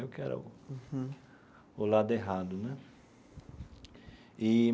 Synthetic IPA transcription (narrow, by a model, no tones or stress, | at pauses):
eʊkɪɛ̰ɾɐ̰ʊ̰ | ʊlad̪ʊeɦad̪ʊnɛ | i